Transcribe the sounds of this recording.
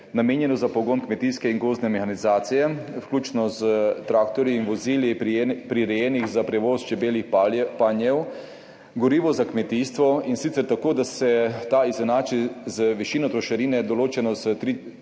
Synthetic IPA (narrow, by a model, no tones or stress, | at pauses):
nameːnjɛnɔzapɔɡoːnkmɛt̪iːskɛiŋɡoːznɛmɛxanizaːt̪sijɛwklʲuːt͡ʃnɔzət̪ɾaːk̚t̪ɔɾjiinʋɔziːljipɾiɾɛjɛːniɣzapɾɛʋoːst͡ʃɛbeːlixpanjɛw | ɡɔɾiːʋɔzakmɛt̪iːst̪ʋɔinsit̪sɛɾt̪akoːd̪asɛt̪aizɛnaːt͡ʃizəʋɛʃiːnɔt̪ɾɔʃaɾiːnɛd̪ɔloːt͡ʃɛnɔzət̪ɾi